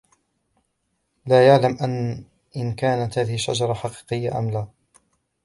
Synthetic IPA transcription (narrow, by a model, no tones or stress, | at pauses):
laːjaʕlamʔan | ʔɪnkaːnat̪haːðɪhɪʃːa̰d͡ʒɑɾˤɑħɑqi̥ːqɨjːaʔa̰mlaː